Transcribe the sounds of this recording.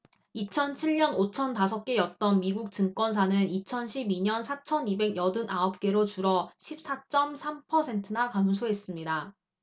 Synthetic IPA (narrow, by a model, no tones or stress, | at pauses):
it͡ɕʰʌnt͡ɕʰiɭɲʌnot͡ɕʰʌntasʰʌp̚k͈e̞jʌt̚t͈ʌnmiɡuk̚t͡ɕɯŋk͈wʌns̬ʰanɯnit͡ɕʰʌnɕʰibiɲʌnsʰat͡ɕʰʌnibe̞ɡjʌdɯnʔaʌp̚k͈e̞ɾot͡ɕuɾʌɕʰip̚s͈at͡ɕ͈ʌmsʰampʰʌsʰe̞ntʰɯnakamsʰoɦe̞s͈ɯmɲida